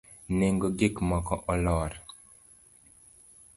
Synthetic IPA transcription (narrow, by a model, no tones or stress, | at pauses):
neŋɡoɡɪkmɔkɔʔɔlɔɾ